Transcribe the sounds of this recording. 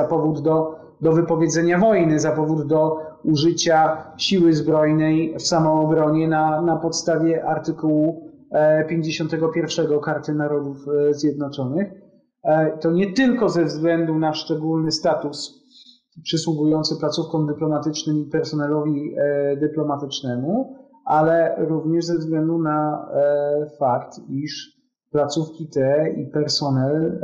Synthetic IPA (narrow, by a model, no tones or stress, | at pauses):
zapɔvud̪ːɔ | d̪ɔvɘpɔvʲjed̪zɛɲavɔjnɘzapɔvud̪ːɔuʐɘt͡ɕaɕiwɘzbɾɔjnɛjfsamɔːbɾɔɲɛnanapɔt̪st̪avʲjɛʔaɾt̪ɘkuwu | pʲjeɲd͡ʑeɕɔnt̪ɛɡɔpʲjɛɾfʂɛɡɔkaɾt̪ɘnaɾɔd̪ufzʲjɛd̪nɔt͡ʂɔnɘx | t̪ɔɲɛt̪ɘlkɔzɛvzɡlɛnd̪unaʂt͡ʂɛɡulnɘst̪at̪us | pʂɘswuɡujɔnt̪sɘplat̪sufkɔ̃md̪ɘplɔmat̪ɘt͡ʂnɘmipɛɾsɔnɛlɔvʲid̪ɘplɔmat̪ɘt͡ʂnɛmu | ʔalɛɾuvɲɛʐzɛvzɡlɛnd̪una | fakt̪iʂ | plat̪sufkʲit̪ɛipɛɾsɔnɛl